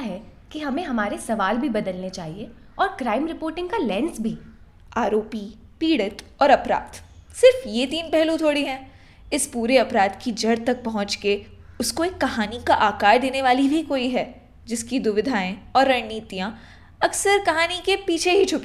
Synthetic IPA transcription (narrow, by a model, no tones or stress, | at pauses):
ɦɛkiɦɐmẽɦɐmaːɾesɐʋaːlbʱibɐd̪əlnet͡ʃaːɦie | ɔːɾkɾaːɪmɾɪpoːɾʈɪ̃ŋɡkalɛ̃ːnsbʱiː | aːɾoːpi | piːɽət̪ɔːɾɐpɾa̰ːd̪sɪɾfjet̪iːnpɛɦlũt̪ʰoːɽiɦɛ̃ː | ɪspuːɾeɐpɾaːd̪kid͡ʒɐɽt̪ɐk̚pɐɦʊ̃t͡ʃkeʊskoeːkːɐɦaːnikaʔaːkaːɾd̪eːneʋaːlibʱikoːiɦɛː | d͡ʒɪskid̪ʊʋɪd̪ʱaːẽɔːɾːɐɽniːt̪ijã | ɐksəɾkɐɦaːnikepiːt͡ʃʰeɦit͡ʃʰʊpe